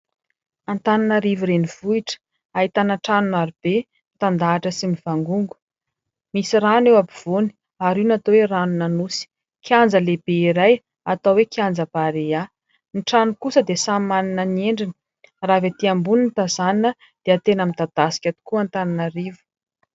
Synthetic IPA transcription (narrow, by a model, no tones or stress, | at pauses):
ant̪ananəɾivuɾeniv̥uiʈ͡ʂə̥ | aɦit̪anaʈ͡ʂanunaɾub̥e | mit̪and̪aːʈ͡ʂəsimiv̥aŋɡuŋɡu̥ | misiranewabiv̥oni̥ | aɾinat̪oweranunanusi̥ | kiand͡zəleb̥eiɾaj | at̪awekiand͡zəbaɾea | niʈ͡ʂanukusəd̪esamaninənieɳɖ͡ʐinə̥ | ravet̪iambuninit̪azaninə | d̪̥eat̪enəmid̪ad̪̥asi̥kʲat̪u̥kuant̪ananərivu̥